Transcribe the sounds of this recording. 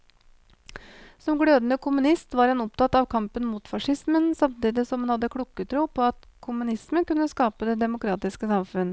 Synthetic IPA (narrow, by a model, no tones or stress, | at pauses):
sɔmɡɽøːd̪ənəkʰʊmʉnɪst̪ʋɑːɾhɑnɔpt̪ɑt̪ɑʋkʰɑmpənmuːt̪fɑʂɪsmənsɑmt̪iːd̪ɪsɔmhɑnhɑd̪ːəkʰɽukːət̪ʰɾuːpʰɔɑt̪kʰʊmʉnɪsmənkʉnːəskɑːpəd̪ɛd̪ɛmʊkʰɾɑːt̪ɪskəsɑmfʉnə